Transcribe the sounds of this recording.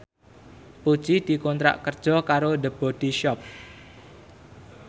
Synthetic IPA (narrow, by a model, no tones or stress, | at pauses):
pu̥t͡ʃid̪̥i̤kɔnt̪ɾa̰ʔkərd̥ʒ̥ɔ̤kaɾodəb̥ɔd̪̥iʃɔp̚